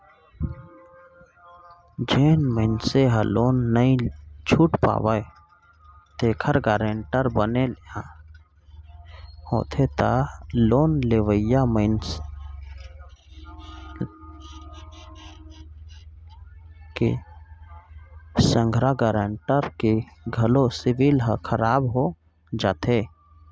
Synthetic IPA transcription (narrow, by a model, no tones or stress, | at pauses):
d͡ʒeːnməɪnseɦaloːnːəĩt͡ʃʰuːʈpa̰ːʋae | t̪eːkʰəɾɡaːɾeːɳʈəɾbənelãː | ho̰ːt̪ʰet̪aloːnleʋəjaməɪn | kḛ | sə̃ŋɡʱɾaɡaːɾeɳʈəɾkeɡʱəlosɪʋilɦəkʰəɾaːbɦo | d͡ʒaːt̪ʰe